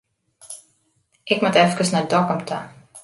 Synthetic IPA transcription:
ʔɪkmatɛfkəsnadɔkəmtʰa̰

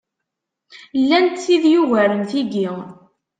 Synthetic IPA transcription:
lːænt̪ːiðjuvæɾəmθiɡi

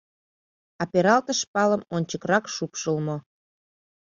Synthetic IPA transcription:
ɑpeɾɑlt̪əʃpɑləmonʲt͡ɕəkrɑkʃupʃəlmo

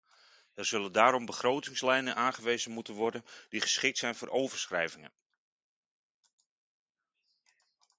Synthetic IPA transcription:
ərz̥ɵləndaːɾɔmbəχroːwtɪŋslɛjnənʔaːnχəʋejzənmutənʋɔrdənd̥iχə̥sχɪk̚tsɛjnvoːɾʔowvərsχrɛjvɪŋə̰n

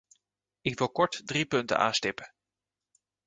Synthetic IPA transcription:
ɪkʋɪlˠkɔɹtdripɵntə̰nʔa̰ːnstɪpə

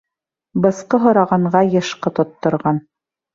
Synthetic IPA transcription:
bɤ̆sqɤɦŏɾɑʁɑɴɢɑjɤ̆ʃqɤt̪ŏt̪ːŏɾʁɑn

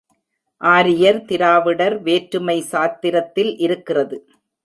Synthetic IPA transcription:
ʔaːɾɪjɐɾt̪ɪɾaːʋɪɽɐɾʋeːʈɾɯmɐɪsaːt̪ːɪɾɐt̪ːɪlʔɪɾɯkːɪrɐðɯ

